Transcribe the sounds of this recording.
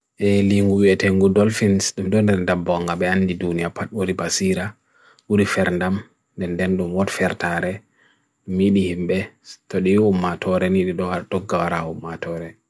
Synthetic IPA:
ʔɛliŋɡuwiɛtɛŋɡudɔlfinsɗumdɔndɛɾndambɔŋɡaɓɛandidunijapatɓuɾibasiɾa | wuɾifɛɾndam | ndɛndɛnɗumwɔtfɛɾtaɾɛ | umiɗihimɓɛtoɗihumːatʰɔɾɛniɗiɗɔhaɾtɔɡːawaɾahumːatɔɾɛ

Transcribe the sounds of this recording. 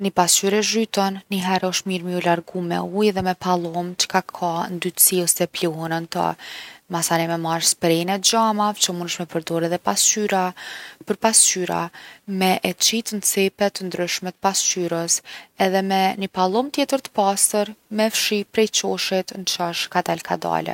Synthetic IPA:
nipast͡ʃyɾɛʒyt̪ɔnːiɦɛɾɔʃt̪miɾmiulaɾɡumɛ̰ujðɛmɛpalˠɔmt͡ʃə̥kakʰand̪yt̪əsiɔsɛplɔɦɛnant̪a̰masanɛmɛmaɾspɾɛnɛd͡ʒamavt͡ʃəmunʃmɛpəɾd̪ɔɾɛðɛpast͡ʃyɾapəɾpast͡ʃyɾa̰mɛʔɛt͡ʃit̪ənt͡sɛpɛt̪ːənd̪ɾyʃmɛt̪əpast͡ʃyɾəsɛðɛmɛnəpalˠɔmt̪jɛt̪əɾt̪ə̥past̪əɾmɛfʃipɾɛjt͡ɕɔʃit̪nt͡ʃaʃkad̪alkʰad̪a̰lɛ̰

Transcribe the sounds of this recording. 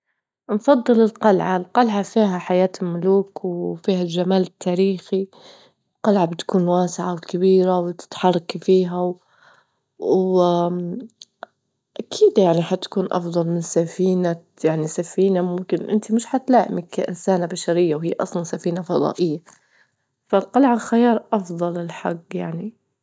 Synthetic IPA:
nfɑd̪ˤːɨlɪlqɑlʕalqɑlʕafiːɦaħajaːt̪ɪlmʊluːkwfiːhalʒamaːlɪt̪ʰːaːɾiːxi | ɪlqɑlʕabɪt̪kuːnwaːsɪʕawɪkabiːɾawɪt̪ɪ̥t̪ħɑrˤːɑkfiːɦaw | ʔakʰiːd̪jaʕniħat̪ḁkuːnʔɑ̰fd̪ˤɑlmɪnsafiːna | jaʕnisafiːnamʊmkɪnʔɪ̰nt̪imɪʃħat̪laːʔɪ̰mɪkːaʔɪnsaːnabaʃaɾɪjːawhijːaʔɑsˤlɑnsafiːnafɑd̪ˤɑ̰ːʔɪjːa | falqɑlʕalxajɑːɾˤʔɑfd̪ˤɑlɪlħaɡːjaʕni

